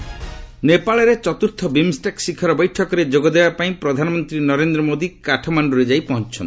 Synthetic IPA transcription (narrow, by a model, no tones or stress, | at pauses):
nepaɭɔɾet͡ʃɔt̪uɾt̪ʰɔbimsʈaksikʰɔɾɔbɔjʈʰɔkɔɾed͡ʒoɡɔd̪ebapaĩpɾɔd̪ʱanɔmɔnt̪ɾinɔɾend̪ɾɔmod̪ikaʈʰɔmaɳɖuɾed͡ʒajpɔɦɔnt͡ʃʰɔn